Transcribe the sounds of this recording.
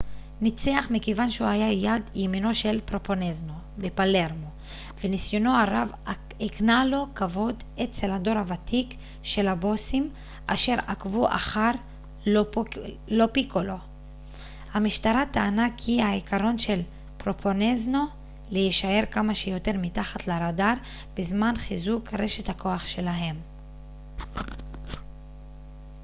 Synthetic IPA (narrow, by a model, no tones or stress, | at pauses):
nit͡seaχmikevanʃeuhajajadjemino̞ʃe̞lpʁoponezno̞ | bepale̞ʁmo̞ | venisjo̞no̞aʁav | iknalo̞kavo̞d | et͡se̞lhado̞ʁhavat̪ʰik | ʃe̞labo̞sim | ʔaʃe̞ʁakvuʔa̰χaʁ | o | lo̞pikolo̞ | hamiʃtaʁat̪aːnakhihaikʰaʁo̞nʃe̞l | pʁo̞pʰo̞nezno̞ | lejiʃae̞ʁkamaʃejo̞te̞ʁmitaχatlaʁadaʁ | b̥ezmanχizukʁe̞ʃethakʰo̞aχʃe̞laɦe̞m